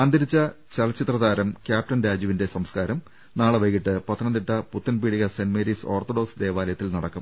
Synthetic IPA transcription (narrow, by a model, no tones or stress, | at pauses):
ɐnd̪ɐɾit͡ɕːɐt͡ɕɐlɐt͡ɕːit̪rɐðaːɾɐmkʲjaːp̚ʈɐnɾaːd͡ʑjɐʋinde̞sɐmskaːɾɐm | naːɭɨʋɐjkiʈːɨpɐt̪ʰːɐnɐnd̪iʈːɐput̪ːɐnpiːɽiɣɐsenmeːɾiso̞ːrt̪oɽo̞ːksɨd̪e̞ːʋaːlɐjɐt̪ːilnɐɽɐkːɐm